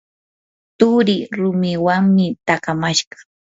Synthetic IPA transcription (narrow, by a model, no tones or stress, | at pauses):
t̪ʊɾɪɾʊmɪwaŋmɪt̪akamaʃɢɑ̥